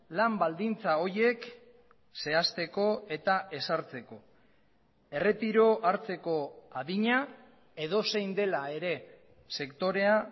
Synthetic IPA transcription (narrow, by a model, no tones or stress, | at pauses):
lambald̪int͡sao̞ɾje̞k | se̞ast̪e̞ko̞e̞t̪ae̞saɾt͡se̞ko̞ | e̞re̞t̪iɾo̞ʔaɾt͡se̞ko̞aðiɲa | e̞ð̞o̞se̞jnd̪e̞lae̞ɾe̞ | se̞kt̪o̞ɾe̞a